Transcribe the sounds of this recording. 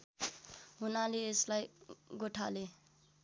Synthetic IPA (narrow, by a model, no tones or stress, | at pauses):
ɦunaleeslajɡoʈʰa̰le